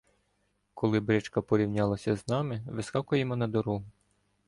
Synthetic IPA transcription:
kʰɔlˠɪbɾɪt͡ʃkɐpɔɾʲiwnʲɑlˠɐsʲɐznɑmɪʋɪskɑkʊjemɔnɐd̪ɔɾu

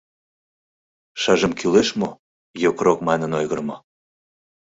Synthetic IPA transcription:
ʃɑʒəmkyleʃmo | jokɾokmɑnə̆nojɣəɾmo

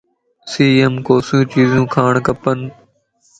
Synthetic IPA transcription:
siːemkoːsjũːt͡ʃiːzũːkʰaːɳ̃kəpən

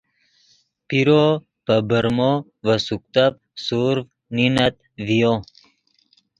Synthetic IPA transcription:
piɾo | pəbəɾmo | vəsuk̚t̪ap̚ | suɾv | ninat̪̚ | vijo

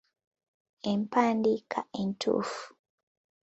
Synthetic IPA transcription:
empaːndikʰaʔentʰṵːfu̥

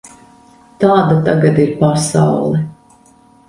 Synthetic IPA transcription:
t̪aːd̪at̪aɡad̪iɾpasa̰wlˠɛ

